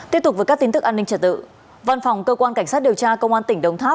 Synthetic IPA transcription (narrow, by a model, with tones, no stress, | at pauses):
t̪i˦˥əp̚t̪̚vəː˨˩kːk̚ti˨˦nt̪ɨ˦˥k̚ʔaː˧nːï˧ŋ̟t͡ɕə˧˩t̚t̪ɨ̰˧˨ | va˧nfa˨˩wŋ͡mkəː˧kwaː˧nka˧˩jŋsa˦˥t̚ɗi˨˩əwt͡ɕaː˧kə˧wŋ͡mʔaː˧nt̪ï˧˩ŋ̟ɗə˧wŋ͡mt̪ʰaː˦˥